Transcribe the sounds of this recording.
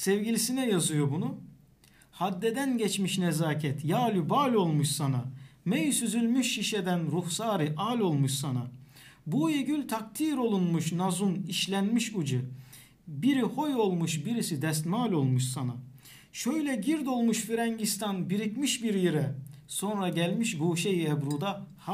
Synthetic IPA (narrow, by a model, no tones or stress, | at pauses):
sɛvɟilʲisinɛjazɯjo̞bunu | had̪ːɛd̪ænɟɛt͡ʃmiʃnɛzaːcʰɛt̪jaːlʲybaːlʲo̞lˠmuʃsanamɛjsyzylʲmyʃːiʃɛd̪ænɾufsaːɾɯʔalʲo̞lˠmuʃsana | bujeɟylʲt̪ʰak̚t̪ʰiːɾo̞lˠunmuʃnazuniʃlʲænmiʃud͡ʒɯ | biɾiho̞jo̞lˠmuʃbiɾisid̪ɛst̪maːlʲo̞lˠmuʃsana | ʃøjlʲɛɟiɾd̪o̞lˠmuʃfiɾɛɲɟist̪anbiɾicmiʃbiɾjiɾɛso̞nɾaɟælʲmiʃbuʃejiɛbɾuːd̪ah